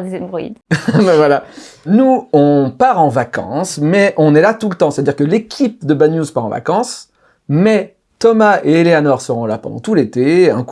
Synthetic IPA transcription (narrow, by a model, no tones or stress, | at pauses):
zɛmbʁḭd̪mɛvwalanuɔ̃paʁɑ̃vakɑ̰̃smɛʔɔ̃nɛlat̪ulət̪ɑ̃se̥ɛt̪ad̪iʁkəlekʲʰip̚d̪əbanjuzpaʁɑ̃va̰kɑ̃s | mɛ | t̪ɔmaʔeːleanɔʁsəʁɔ̃lapɑ̰̃d̪ɑ̰̃t̪ulet̪eɛ̰̃k